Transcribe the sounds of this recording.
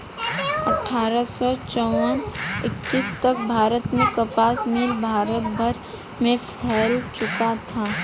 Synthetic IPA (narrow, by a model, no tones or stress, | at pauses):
ɐʈʰːaːɾəsɔt͡ʃɔwənɪkːiːst̪ɐk̚bʱaːɾət̪mẽkəpaːsmɪlbʱaːɾət̪̚bʱəɾ | mẽpʰɛːlt͡ʃʊkat̪ʰaː